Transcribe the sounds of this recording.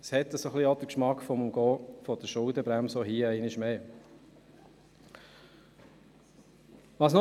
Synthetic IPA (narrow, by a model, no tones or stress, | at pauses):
shɛt̪ːəsoχliod̪əkʃmɑkfɔmumɡ̥ɔːfɔd̪̥əʃʊldəbɾæmsoɦiːɛɪnɪʃmeː | ʋɑːsno